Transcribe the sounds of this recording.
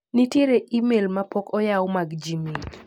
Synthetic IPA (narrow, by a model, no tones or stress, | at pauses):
nitjeɾeʔimelmapokɔjawmaɡd͡ʒimi